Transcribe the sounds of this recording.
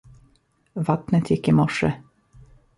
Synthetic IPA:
vat̪nət̪ʰjɪkːɪmɔʂːə

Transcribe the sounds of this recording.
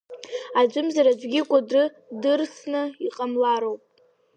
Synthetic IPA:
ad͡ʒʷɨmzaɾad͡ʒʷɡʲɪkʷʼadrɨ | dɨrsnɨiqʼamlaɾowpʼ

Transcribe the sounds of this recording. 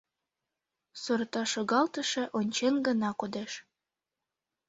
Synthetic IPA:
sort̪ɑʃoɣɑlt̪əʃĕʔonʲt͡ɕenɡənɑkod̪eʃ

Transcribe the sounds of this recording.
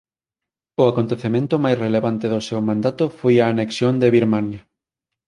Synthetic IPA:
ʊakont̪eθemẽnt̪ʊmajsreleβant̪ɪðʊsewmãnd̪at̪ʊfojaːneksjond̪eβiɾmanjɐ

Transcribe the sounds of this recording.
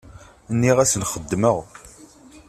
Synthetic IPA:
ənːiʁæsənχəd̪ːməʁ

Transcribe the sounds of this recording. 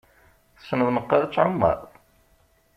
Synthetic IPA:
θsnəvnəqːɑɾt͡sːʕamːə̰ɾˤ

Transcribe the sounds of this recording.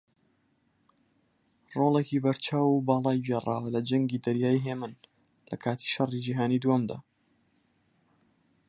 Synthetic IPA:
roːlekibɐɾt͡ʃʰaːwubɑːlˠɑːjd͡ʒerˤa̰ːwɐlɐd͡ʒɐŋɡiːd̪ɐɾjaːiɦeːmɨn | lɐ̰kʰaːt̪ʰi̥ʃɐrid͡ʒiɦaːniːd̪womd̪a̰ː

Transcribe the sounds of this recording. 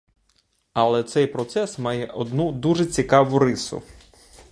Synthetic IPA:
ɐlˠɛt̪sɛjpɾɔt̪sɛsmɑjɛʔɔd̪nud̪uʒɛt͡sʲikɑʋʊɾɪsʊ̰

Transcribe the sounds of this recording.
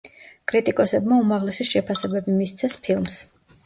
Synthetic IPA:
kʼɾit̪ʼikʼɔsɛbmaumaʁlɛsiʃɛpʰasɛbɛbimist̪sʰɛspʰilˠms

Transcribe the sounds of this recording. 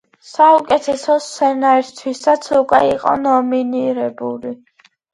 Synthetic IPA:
saukʼɛt̪ʰɛsɔsɛnaɛɾst̪ʰwisat̪sʰukʼwɛiqʼɔ̰nɔminiɾɛbuli

